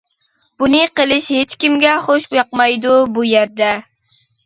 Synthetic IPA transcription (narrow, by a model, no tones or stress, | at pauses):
b̥unɨqəlˠɪʃhet͡ʃkʲimɡʲɛχoʃjɑqmɑjd̪ubujæɾd̪ɛ